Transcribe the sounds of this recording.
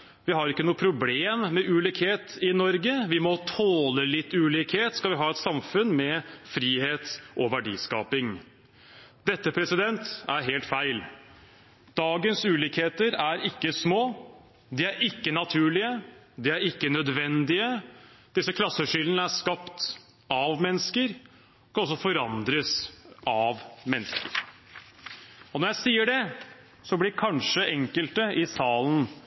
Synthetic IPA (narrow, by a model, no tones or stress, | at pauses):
ʋɪɦɑɾɪkːənuːəpʰɾʊbleːmmːɛʔʉːliːkheːt̪ɪnɔɾɡəʋɪmɔt̪ʰoːləlɪt̪ːʉːliːkheːt̪skɑlʋɪɦɑːɛt̪sɑmfʉnmɛfɾiːheːt̪ʔɔʋæɖḭːskɑ̰ːpɪŋ | d̪ɛt̪ːəpʰɾɛsɪd̪ɛnt̪æɾɦeːlt̪fæɪl | d̪̥ɑːɡənsʉːliːkheːt̪əɾæɾɪkːəsmoː | d̪ɪæɾɪkːənɑt̪ʰʉːɭɪə | d̪ɪæɾɪkːənœd̪ʋɛnd̪ɪəd̪̥ɪsəkʰlɑsːəʂʏlənəæʂkɑpt̪ | ɑʋmɛnːəskəɾ | kʰɑɔs̬ɔfɔɾɑnd̪ɾəsɑʋmɛnːskəɾ | ɔnɔɾjæɪsiːəɖɛ | sɔblɪkʰɑnʂəʔɛŋkəlt̪əʔɪsɑːln̩